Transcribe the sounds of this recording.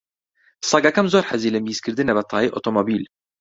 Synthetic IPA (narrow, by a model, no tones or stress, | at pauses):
sˤɑɡækæmzoːɾħaziːlæmbjiskɪɾd̪inæbæt̪ˤːɑʕiːʔot̪ˤomobiːl